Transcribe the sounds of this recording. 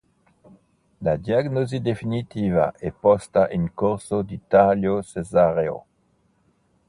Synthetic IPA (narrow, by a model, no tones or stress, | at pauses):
lad̪jaɡnozid̪efinit̪iva̰ʔepɔst̪aʔinkuʁsod̪it̪aljosezaʁeo̰